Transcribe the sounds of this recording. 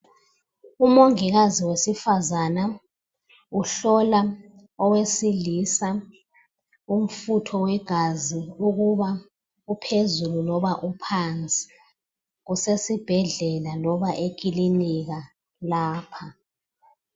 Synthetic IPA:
umoŋiɣaziwesifazana | uɬɔla | ɔwesilisa | um̩futʰɔwɛɡ̥ʱaziuɣuβa | upʰezululɔβaʔupʰant͡sʼi̥ | ɣusesib̥ʱɛɮɛlalɔβaʔek̬ʼiliniɣa | laːpʰa

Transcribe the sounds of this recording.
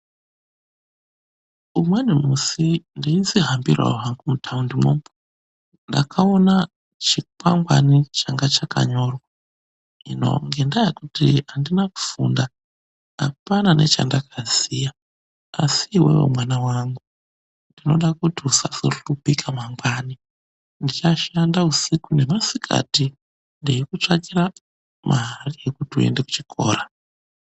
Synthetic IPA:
umwenimusindiinziɦambirwa̰uɦaŋɡumutʰaundimwo̰mb | nda̰kʰaona | t͡ʃik̚waŋɡwa̰nit͡ʃaŋɡat͡ʃaka̰ɲorwa | ino̞̰ŋɡendajakutiɦandinaku̥funda | a̰panane̞̰t͡ʃa̰ndakazija | asiːwḛwḛmwanawaŋɡu | ndino̞ɗakutiusaso̰rupikʰamaŋɡwani | ndit͡ʃaʃandausikune̞masikʰa̰ti | ndejikut͡ʂakira | mʔaɦariekutue̞̰nde̞ku̥t͡ʃikʰo̞̰ːra

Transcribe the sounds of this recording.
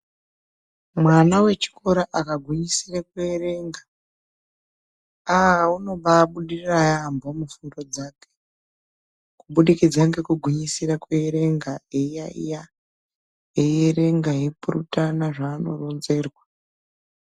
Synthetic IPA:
mwanawe̞t͡ʃi̥ko̞ɾaʔakaɡʱwiɲisirakweeɾe̞ŋɡa | aauno̞ɓaːɓuɗirirajambʱo̞mufundo̞d͡zaːke | kuɓuɗikid͡zaŋɡe̞kuɡʱwiɲisirakweːɾe̞ŋɡaejaḭja | ejeɾe̞ŋɡajepurutanaʐaːno̞̰ro̞nze̞ːrwa

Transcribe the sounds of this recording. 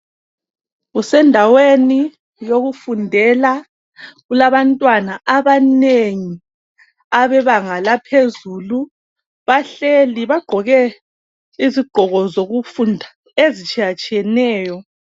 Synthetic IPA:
ɣusɛndʱaweni | joɣufundʱɛla | ɣulaβantʼwanaʔaβaneŋi | aβɛβaŋalapʰezuːlu | βaɬeliβaɡ͡ǃ̥ʱɔɣɛ | iziɡ͡ǃ̥ʱɔɣɔzoɣufundʱa | ezit͡ʃʼiat͡ʃʼiɛnɛːjɔ

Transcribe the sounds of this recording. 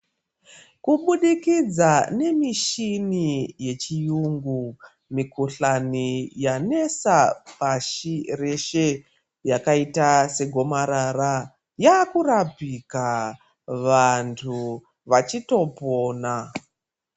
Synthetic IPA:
kuɓuɗikid͡zane̞miʃinije̞t͡ʃijuŋɡu | mikuɬanijane̞sapaʃire̞ʃe̞ | jakaitase̞ɡʱo̞maɾaɾa | jakuɾapika | ʋantʰu | ʋat͡ʃito̞po̞ːna

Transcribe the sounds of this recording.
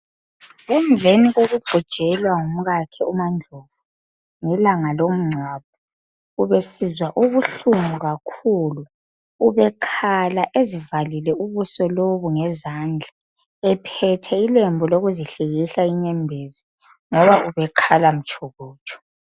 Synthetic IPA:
ɣuɱvʱeniɣoɣuɡ͡ǃʱud̥ʒ̥ʼʱɛlwaŋum̩ɣakʰɛumand͡ɮʱovu | ŋɛlaŋalom̩ŋ͡ǀʱwap̚ʰɔ | uβesizwaʔuβuɬumuɣakʰuluː | βɛkʰalaʔezivalilɛuβusɔloβuŋɛzand͡ɮʱa | ɛpʰɛtʰɛilɛmbʱɔloɣuziɬiɣiɬaiɲɛmbʱezi | ŋɔβauβɛkʰalam̩t͡ʃʼʰoɣuːt͡ʃʼɔ̥

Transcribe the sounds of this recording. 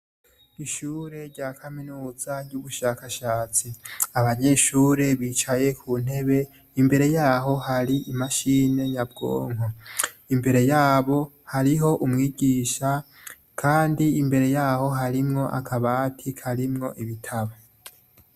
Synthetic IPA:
iʃuːɾe̞ɾɟakʰaminuːzaɟɟuβuʃaːkaʃaːt͡siaβaɲe̞ʃuːɾe̞βiːt͡ʃaje̞kʰuːn̥he̞βe̞ | imbe̞ɾe̞jaːɦo̞haɾiʔimaʃiːne̞jabɡo̞̰ːŋo | imbe̞ɾe̞jaːβo̞ | haɾiɦo̞ʔumŋiːɟiːʃa | kʰaːndiːmbe̞ɾe̞jaːho̞ɦaɾimŋo̞ʔa̰kʰaβatʰikʰaɾimŋo̞̰ʔiβitʰaβa

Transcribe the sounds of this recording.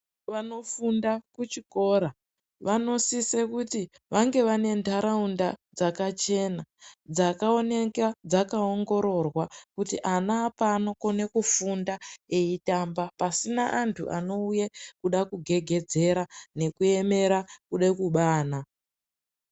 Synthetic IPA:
ʋano̞fundakut͡ʃiko̞ɾa | ʋano̞sisekuti | ʋaŋɡe̞ʋane̞ndaɾaundad͡zakat͡ʃe̞nad͡zakao̞nekad͡zakaoŋɡo̞ɾo̞rwakutiʔanaːpanokone̞kufundae̞itaːmbapasinaʔantʰṵʔa̰no̞ujekuɗakuɡʱe̞ɡʱe̞d͡ze̞ɾane̞kue̞me̞ɾakuɗekuɓaːna

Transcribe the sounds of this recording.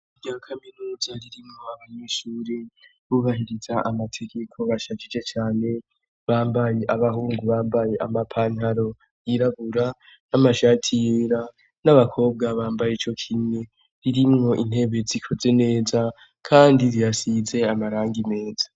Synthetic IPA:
iɟaːkʰaminuːzaɾiɾimŋo̞aβaɲeʃuːɾe | βuβaɦiɾizaʔamatʰe̞ɡe̞kʰo̞βaʃat͡ʃid͡ʒe̞t͡ʃaːne̞ | βaːmbaje̞ʔaβahuːŋɡuβaːmbaje̞ʔamapʰaːnhaɾo̞ | jiɾaβuɾa | namaʃaːtʰioɾa | naβakʰo̞ːb̚ɡaβaːmbajeit͡ʃo̞kʰine̞ | ɾiɾimŋo̞ʔin̥he̞βe̞zikʰo̞ze̞ne̞ːza | kʰaːndiɾijasize̞amaɾaːŋɡine̞ːz̥ḁ

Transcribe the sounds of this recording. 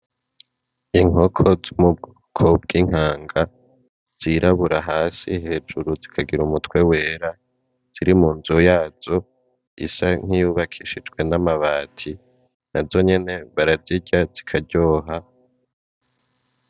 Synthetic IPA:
iŋ̥o̞kʰo̞zumub̚ɡ | kʰob̚ɡiːŋ̥aːŋɡa | z̥iɾʔaβuɾaɦaːsiɦe̞ːd͡ʒuɾuzikʰaɡiɾumutwe̞we̞ːɾa | z̥iɾimuːnzujaːz̥o̞ | ḭsaŋ̥hijuβakʰiʃid͡ʒɡwe̞namaβaːtʰi | nazo̞ɲe̞ne̞βaɾaziɟaz̥ikʰaɟo̞ːɦa

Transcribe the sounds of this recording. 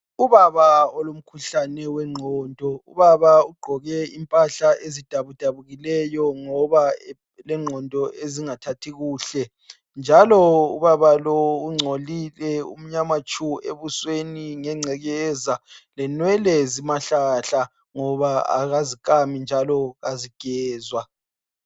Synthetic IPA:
uβaβaɔlom̩kʰuɬanɛwɛŋ͡ǃʱɔːndʱɔṵβaβauɡ͡ǃʱɔɣɛimpʼaɬaezid̥ʱaβud̥ʱaβuɣilɛjɔŋɔβa | lɛŋ͡ǃʱɔndʱɔʔeziŋatʰatʰiɣuːɬɛ | nd͡ʒʱalɔṵβaβalouŋ͡ǀʱolilɛṵm̩ɲamat͡ʃʼuḛβusweniŋɛŋ͡ǀʱɛɣɛzalɛnwɛlɛzimaɬaɬa | ŋɔβaa̰ɣazikʼamind͡ʒʱalɔɣaziɡ̥ʱɛːzwa

